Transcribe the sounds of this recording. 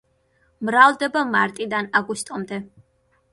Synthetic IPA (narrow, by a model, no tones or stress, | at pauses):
mɾavd̪ɛbamaɾt̪ʼid̪anaɡust̪ʼɔmd̪ɛ